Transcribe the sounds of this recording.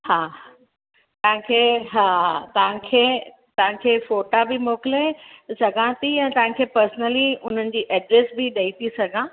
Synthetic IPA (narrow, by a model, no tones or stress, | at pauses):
haː | t̪ɐɦãkʰeːɦaːt̪ɐʋãkʰeː | t̪ɐʋãkʰeːfoːʈabɪmoːkɪlesɐɡʱãt̪iɛ̃ːt̪ɐɦãkʰeːpəɾsnəliʊn̤ənɪ̆d͡ʑiːʔɛɖɾeːsbɪɗɐit̪isɐɡʱãː